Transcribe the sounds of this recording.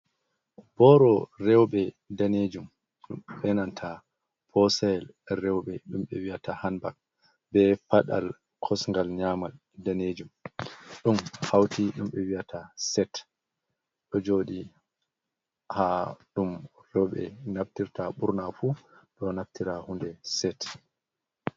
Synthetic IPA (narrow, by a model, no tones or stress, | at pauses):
bɔɾɔrɛwɓɛ | daned͡ʒum | ɗumɓɛnantʰa | pʰɔsajɛl | ɾɛwɓɛɗumɓɛwiatahanbak̚ | bɛpaɗa̰l | kʰɔsŋɡalɲamal | daned͡ʒumɗumhawtiɗumɓɛwiatʰasɛt | ɗɔd͡ʒoɗi | haɗumɾɛwɓɛ̰naftiɾtaɓuɾnafuɗɔnaftiɾahundɛsɛt